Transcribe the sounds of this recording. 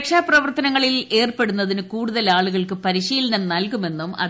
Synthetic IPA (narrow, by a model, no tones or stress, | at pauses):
kʂaːprɐʋɐrt̪ɐnɐŋːɐɭile̞ːrpe̞ɽunːɐðinɨkuːɽuðɐlaːɭuɣɐɭkɨpɐɾiɕiːlɐnɐnɐlkume̞nːumɐ̰